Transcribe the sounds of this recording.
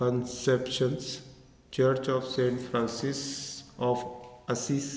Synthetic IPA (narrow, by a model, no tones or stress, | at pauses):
kə̃nsepʃə̃ns | t͡ʃəɾt͡ʃɔːʋsẽːɳʈfʰɾãːnsisɔːfəsis